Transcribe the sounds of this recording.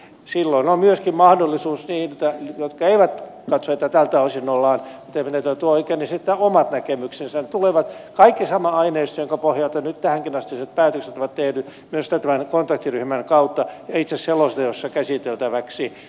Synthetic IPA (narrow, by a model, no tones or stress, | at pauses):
silːoinomyøskimmɑhdolːisuːsniːnet̪ːæjot̪kɑeiʋæt̪kɑt̪soet̪ːæt̪ælt̪æoisinːolːɑːnmut̪eimenet̪ːæt̪uoikenisit̪ːæomɑt̪nækemyksensnt̪uleʋɑt̪kɑikːisɑmɑɑineist̪joŋkɑpohjɑlt̪ɑnyt̪t̪æhæŋkinɑst̪iset̪pæːt̪økset̪oʋɑt̪t̪ehnymyøst̪æt̪æmænkont̪ɑkt̪iryhmænkɑut̪ːɑjɑit̪sesselost̪ɑjosːɑkæsit̪elt̪æʋæksi